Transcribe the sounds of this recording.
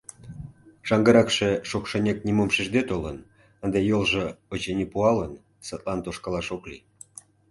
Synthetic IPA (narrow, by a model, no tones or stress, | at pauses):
ʃɑŋɡəɾɑkʃeʃokʃenʲek̚nʲimomʃiʒd̪et̪olən | ənd̪ejolʒĕot͡ɕenʲipuɑlən | sət̪lɑnt̪oʃkɑlɑʃoklḭ